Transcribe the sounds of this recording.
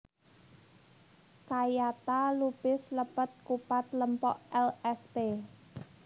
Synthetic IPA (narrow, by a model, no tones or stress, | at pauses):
kajat̪alupɪsləpət̪̚kupat̪̚ləmpɔʔɛlɛspe